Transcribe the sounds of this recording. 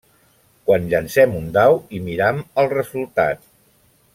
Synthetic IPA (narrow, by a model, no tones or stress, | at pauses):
kwanʎənsɛmund̪awimiɾaməlˠrəzulˠt̪a̰t̪